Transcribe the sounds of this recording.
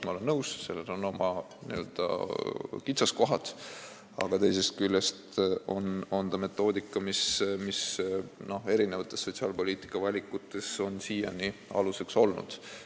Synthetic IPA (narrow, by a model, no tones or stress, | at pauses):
mɑole̞nːɤwsse̞lːenono̞mɑ | nḭø̞ld̪̥ɑ̰kit̪sɑsko̞ɦɑt̪ | ɑ̰ɡ̥ɑt̪e̞jse̞st̪̚kylʲːest̪o̞no̞nd̪ɑme̞t̪ːˑo̞ːd̪ikːˑɑmismisno̞he̞ɾine̞vɑt̪ːˑe̞sːo̞t̪ʲsiɑːlpo̞lʲiːt̪ˑi̥kːˑɑvɑlʲikːˑut̪ːˑe̞so̞nsiːjɑ̰niɑ̰luse̞kso̞lnṵd̪̥